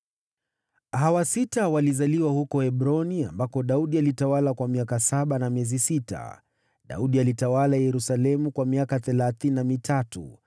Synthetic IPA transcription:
hawasitawalizaliwahukɔhɛɓɾɔnia̰mbakɔɗauɗialitawalakwamiakasaɓanamiɛzisita̰ | ɗa̰uɗialitawalajɛɾusalɛmukwamiakaθɛlaθininamitʰatṵ

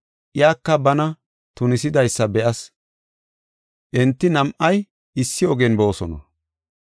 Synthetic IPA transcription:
ʔɪjaːkːɐbɐnɐ | t̪ʊnɪsɪd̪ɐjsːɐbɛʔɐs | ʔɛnt̪ːɪnɐmʔɐj | ɪsːɪɔɡɛnbo̞ːsɔnɐ̰

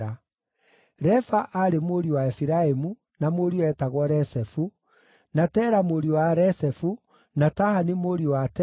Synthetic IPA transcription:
a | ɾɛfaʔaɾemoɾiwaɛfiɾaemu | namoɾiɔɛtaɣwɔɾɛsɛfu | natɛːɾamoɾiwaɾɛsɛfu | natahanimoɾiwatɛ

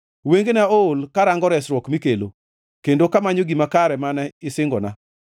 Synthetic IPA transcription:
weŋɡenaoolkaɾaŋɡɔɾɛsɾwɔkmikelo̰ | kendokamaɲoɡimakaɾɛmanɛɪsɪŋɡɔna

